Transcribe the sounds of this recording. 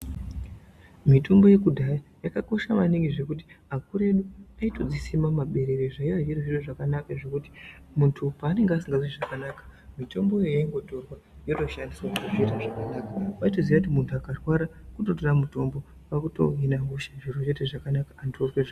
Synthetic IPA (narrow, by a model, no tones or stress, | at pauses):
mitumbo̞je̞kudʱajajakako̞ʃaʋaniŋɡiʐe̞kuti̥akuɾe̞ɗuaito̞d͡zisimamaɓe̞ɾe̞ɾeʐaiʋaʐiroʐoteʐakanakaʐe̞kuti̥ | muntʰupaːne̞ŋɡeasiŋɡaziʐakanakḁmito̞mbo̞jejaiŋɡo̞to̞rwa | jo̞to̞ʃandiswakuʐetaʐakanakaʋaitoziʋakut̬imuntʰuakarwaɾakuto̞toramuto̞mbo̞ | pakuto̞̰ɦinaɦuʃaʐirot͡ʃo̞te̞ʐakanakaːntorweʐa